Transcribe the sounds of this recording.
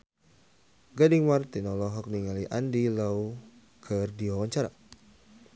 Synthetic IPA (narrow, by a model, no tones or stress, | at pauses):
ɡadiŋmart̪inɔlɔɦɔk̚niŋaliʔandilau | kʰərdiɔwɔɲt͡ʃaɾa